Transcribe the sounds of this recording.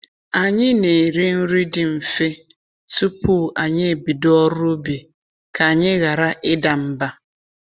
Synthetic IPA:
a˨ɲɪ̃˦nẽ˨ɾĩ˦n˦ɾi˦dɪ˦m̩˨fe˦ | su˦pʰuː˦˨ʔa˨ɲɪ˦e˨bi˨dɔ˦ɔ˦ɾʊ˦be˨ | kʰa˨a˨ɲɪ˦ɣa˨ɾa˦ʔɪ˦da˨m̩˨ba˦

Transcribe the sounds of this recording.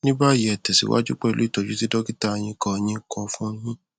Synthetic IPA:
nĩ˦ba˦˨jɛ˨tɛ˨sḭ˨˦wʔa̰˦d͡ʒu˦k͡pɛ˦˨˧lu˦i˦˨to˨d͡ʒu˦ti˦dɔ˦ki˦ta˦˧j̃ĩ˧˦kɔ̃˧j̃ĩ˧kɔ̃˨˧fũ˦ĩ˦

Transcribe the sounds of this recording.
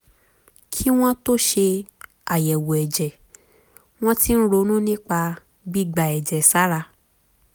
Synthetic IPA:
kʰi˦w̃ɔ̃˦to˦ʃe˧ | a˨jɛ˨wo˨ɛ˨d͡ʒɛ˨ | w̃ɔ̃˦ti˦n̩˦ɾo˧nũ˦nĩ˦k͡pa˧ | bi˦ɡ͡ba˨ɛ˨d͡ʒɛ˨sa˦ɾa˧

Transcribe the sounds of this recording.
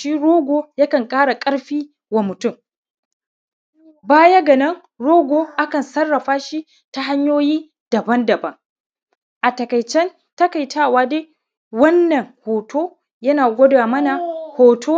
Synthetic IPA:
ʃiː˦ɽoː˦ɡʷoː˨ja˦kɐ˨ŋkʼaː˦ɽa˨kʼɐ˦ɽɸiː˦ | wa˨mʊ˨tʊ˦m | baː˦ja˦ɡɐ˨nɐ˦ŋ | ɽoː˦ɡʷoː˨ʔa˦kɐ˨nsɐ˦rːɐ˨ɸaː˦ʃi˦ | ta˦ha˦ɲjoː˦jiː˦ | d̥ɐ˨bɐ˦ndɐ˨bɐ˦ŋ | ʔa˨tɐ˨kɐ˨jt͡ʃɛ˦n | tɐ˦kɐ˨jtʰaː˦˨waː˦deː˦ | wɐ˦nːɐ˨ŋhoː˨tʰoː˦ | jɐ˦naː˨ɡʷɐ˦daː˨mɐ˦na˨hoː˨tʰoː˦

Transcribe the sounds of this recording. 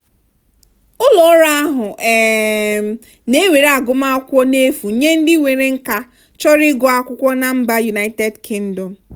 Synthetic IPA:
ʊ˦lɔ˨˦ɾa˦a˦ɦʊ˨ʔe˨ | ne˦wʷe˨ɾa˦˨ɡʊ˦ma˦kʷɔ˦ne˦fu˨ɲe˦n̩˦dɪ˦wʷe˨ɾe˦ŋ̩˦ka˦ | t͡ʃɔ˦ɾɪ˦ɡɔ˨a˦kʷʊ˦kʷɔ˦na˨m̩˦ba˦ju˨na˦ɪ˦te˦dkʰɪ˦ŋ̩˦dɔ˨m̩˨

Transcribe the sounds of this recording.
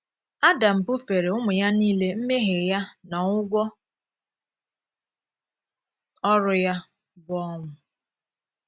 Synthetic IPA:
a˦da˨m̩˨pʊ˦fe˨ɾe˨ʊ˦mʊ˨ja˦niː˦le˦m̩˦me˦ɦe˨ja˦na˨ʊ˦ɡʷɔ˦ | ɔ˦ɾʊ˦ja˦ | bɔ˦mʊ˨

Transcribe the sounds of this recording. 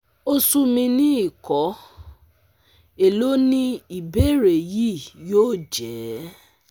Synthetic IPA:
o˦su˧mĩ˧nĩ˦i˨kɔ˨˦ | e˨lo˦nĩ˦i˨be˦ɾe˨ji˦˨joː˦˨d͡ʒɛː˨˦

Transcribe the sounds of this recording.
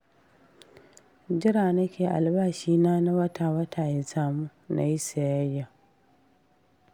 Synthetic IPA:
d͡ʒɪ˦ɾaː˨nɐ˦kʲeː˨ʔa̰˨lbaː˦ʃiː˦naː˦na˦wɐ˦tʰaː˨wɐ˦tʰaː˨jɪ˨saː˦mu˦na̰˨ji˦sa˨jɐ˦jːa˨

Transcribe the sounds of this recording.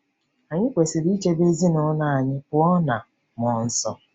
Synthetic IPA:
a˨ɲɪ˦kʷe˨sɪ˨ɾi˦t͡ʃe˦be˦zi˦nʊ˦na˨a˨ɲɪ˦kʊ˦ɔ˦na˨ | m˨ɔ˨n̩˦sɔ˦

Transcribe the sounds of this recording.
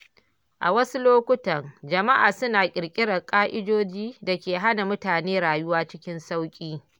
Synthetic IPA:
ʔa˨wɐ˦su˦loː˦kʷʊ˦tɐ˨ŋd͡ʒɐ˨ma˦ʔaː˨sʊ˦naː˨kʲʼɪ˨ɽkʲʼɪ˦ɽɐ˨kʼaː˦ʔɪ˦d͡ʒoː˦d͡ʒiː˦da˨kʲeː˨ɦa˦na˨mʊ˦taː˨neː˦ɽaː˨jʊ˦waː˦t͡ʃɪ˦kʲɪ˦nsa˦wkʲʼiː˦

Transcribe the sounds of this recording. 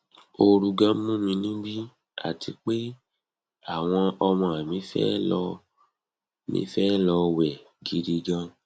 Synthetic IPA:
o˧ɾu˧ɡã˧˦mũ˦mĩ˧nĩ˦bi˦ | a̰˦˨ti˧k͡pe˦ | a˦˨w̃ɔ̃˧ɔ˧mɔ̃˧a˨mĩ˨˦fɛ̰˦lɔ˧ | nḭ̃˧˦fɛ˦lɔ˧wɛ˨ | ɡi˨ɾi˧ɡã˧

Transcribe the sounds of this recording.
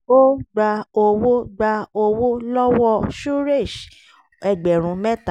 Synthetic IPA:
o˦ɡ͡ba˧o˧wo˦ɡ͡ba˧o˧wo˦lɔ˦wɔ˦ʃu˦ɾe˦˨ʃ | ɛ˧ɡ͡bɛ˨ɾ̃ũ˨˧˦mɛ˦ta˦˨

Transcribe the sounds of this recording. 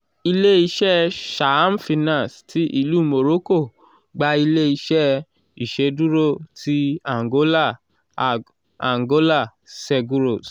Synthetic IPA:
i˧le˦i˧ʃɛ˦ʃa˨˦m˦fi˧nã˦˨sti˦ʔi˦˧˨lu˦˨mo˨ɾo˦ko˦˨ | ɡ͡ba˧i˧le˦i˧ʃɛ˦ | i˨ʃe˨˧du˦ɾo˦˨ti˦a˨ŋɡo˦la˦˨ | a˨ŋɡo˦la˦˨ | sɛ˧ɡu˧ɾo˨s

